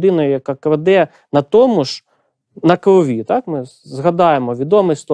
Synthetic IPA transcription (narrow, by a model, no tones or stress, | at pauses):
d̪ɪnɐjʊjɐkɑkʋed̪ɛ | nɐt̪ɔmʊʃ | nɐkɾɔʋʲit̪ɑkmɪ | zɦɐd̪ɑjemɔʋʲid̪ɔmɪst̪ɔ